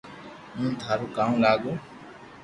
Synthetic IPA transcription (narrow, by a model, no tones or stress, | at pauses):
mũnt̪ʰaɾukaw̃laɡu